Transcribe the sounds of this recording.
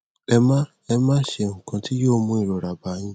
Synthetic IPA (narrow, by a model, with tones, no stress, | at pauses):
ɛ˧mã˦ | ɛ˧mãː˦ʃe˧ŋ̩˨kã˧ti˦joː˦˨mũ˧˦i˨ɾɔ˨ɾa˨ba˨˦j̃ĩ˧˦